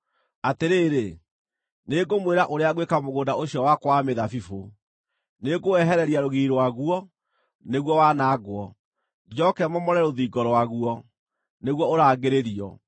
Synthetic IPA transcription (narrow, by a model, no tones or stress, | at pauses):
ateɾeːɾe | neɡomweɾaʔoɾeaɣwekamoɣoːndaoɕiɔwakwameðafifo | neɡoɛɦɛɾɛɾiaɾoɣiːɾowaɣuɔ | neɣwɔwanaɡwɔ | d͡ʒɔkɛmɔmɔɾɛɾoðiːɡɔɾɔwaɣuɔ | neɣwɔoɾaːɡeɾeɾiɔ̰